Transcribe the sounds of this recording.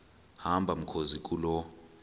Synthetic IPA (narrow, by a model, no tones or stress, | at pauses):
hambʱam̩kʰozik̬ʼulɔ